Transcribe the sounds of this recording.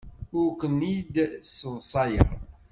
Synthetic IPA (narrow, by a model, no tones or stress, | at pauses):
ʊɾkʷənid̪səvsˤɑjə̰ɾˤ